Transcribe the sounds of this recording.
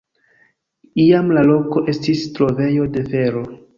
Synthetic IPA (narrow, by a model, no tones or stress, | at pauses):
iamlalo̞ko̞ʔe̞stistɾo̞ve̞jo̞de̞fe̞ɾo̞